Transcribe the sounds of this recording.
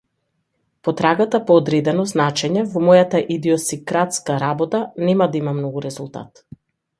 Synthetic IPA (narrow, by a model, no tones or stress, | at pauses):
pɔt̪ɾaɡat̪apɔːd̪ɾɛd̪ɛnɔznat͡ʃɛɲɛvɔmɔjat̪aʔid̪iɔsikɾat̪skaɾabɔt̪anɛmad̪aimamnɔɡuɾɛzulˠt̪a̰t̪